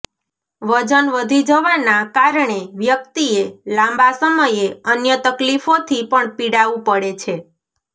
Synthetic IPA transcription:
ʋəd͡ʒənʋəd̪ʱid͡ʒəʋanakaɾɳeʋjək̚t̪ielãmbasəməjeənjət̪əklifot̪ʰipəɳpiɽaʋũpəɽet͡ʃʰe

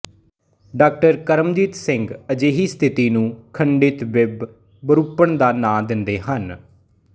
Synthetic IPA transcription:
ɖaːk̚ʈəɾkəɾəmd͡ʒiːt̪sɪŋɡəd͡ʒeːɦiːst̪ʰɪt̪iːnũːkʰəɳɖɪt̪ʋɪb | bəɾuːpːəɳd̪aːnãːd̪ɪnd̪eːhən

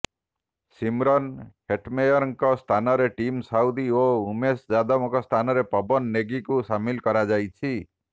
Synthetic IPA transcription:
simɾɔnheʈmejɔɾŋkɔst̪ʰanɔɾeʈimsawd̪ioumesd͡ʒad̪ɔmɔkɔst̪ʰanɔɾepɔbɔnːeɡikusamilkɔɾad͡ʒajt͡ʃʰi

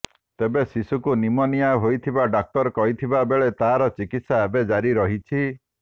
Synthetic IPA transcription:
t̪ebesisukunimɔnijaɦojt̪ʰibaɖak̚t̪ɔɾkɔɦit̪ʰibabeɭet̪aɦaɾɔt͡ʃikit̪saebed͡ʒaɾiɾɔɦit͡ʃʰi

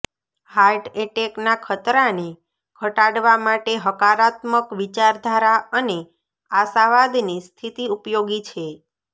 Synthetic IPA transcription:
haɾʈeʈeknakʰət̪ɾane | kʰəʈaɽʋamaʈeɦəkaɾat̪məkʋit͡ʃaɾd̪ʱaɾaəne | aʃaʋad̪nist̪ʰit̪iupjoɡit͡ʃʰe

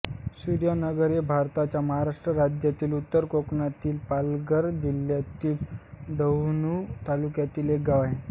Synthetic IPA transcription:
suɾjanəɡəɾebʱaɾt̪at͡ɕjaməɦaɾaʂʈɾəɾad͡ʑjat̪iːlut̪ːəɾkoknat̪iːlpalɡəɾd͡ʑiljat̪iːlɖ̪əwnut̪alukjat̪iːlek̚ɡaʋaɦẽ

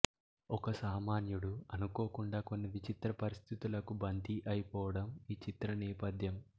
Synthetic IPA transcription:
ɔkɐsaːmaːnjuɽuɐnukoːkuɳɖaːko̞nːiʋit͡ʃit̪ɾɐpɐɾist̪ʰit̪ulɐkubɐnd̪iʔɐjipɔːʋɐɽɐmiːt͡ʃit̪ɾɐnɛːpɐd̪ʱjɐm

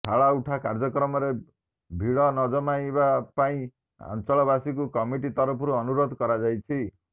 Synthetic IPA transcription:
ʈʰaɭauʈʰakaɾd͡ʒɔkɾɔmɔɾe | bʱiɭɔnɔd͡ʒɔmajbapaĩ | a̰nt͡ʃɔɭɔbasikukɔmiʈit̪ɔɾɔpʰɔɾuɔnuɾod̪ʱkɔɾad͡ʒajt͡ʃʰi

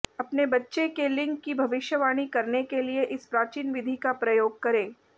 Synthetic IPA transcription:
ɐpnebɐtːʃekelɪ̃ŋkːibʱɐʋɪʃjəʋaːɽ̃ikɐɾnekelieʔɪspɾaːt͡ʃiːnʋɪd̪ʱikapɾɐjoːɡ̚kɐɾẽː

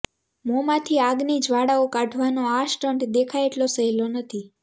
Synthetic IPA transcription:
momãt̪ʰiaɡnid͡ʒʋaɽaokaʈʰʋanoaʃʈəɳʈd̪ekʰajeʈlosəɦilonət̪ʰi

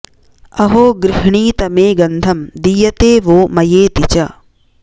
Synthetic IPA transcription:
ɐɦoːɡɾɪɦɳiːt̪ɐmeːɡɐnd̪ʱɐmd̪ijɐt̪eːʋoːmɐjeːt̪it͡ʃɐ

